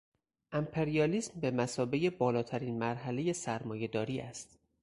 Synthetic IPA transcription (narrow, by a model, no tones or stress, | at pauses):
ʔæmpʰeɾijɒːliːsmbe̞mæsɒːbe̞je̞bɒːlɒːt̪ʰæɾiːnmæɾɦæle̞je̞sæɾmɒːje̞d̪ɒːɾiːæst̪